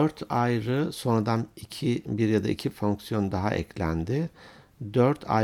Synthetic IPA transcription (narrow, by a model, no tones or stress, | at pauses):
øɾt̪ʰajɾɯso̞nɾad̪anicʰibiɾjad̪aʔicʰifoŋksijo̞nd̪aɦa̰ʔɛ̰cʰlʲæ̰nd̪ɪd̪øɾt̪ʰa̰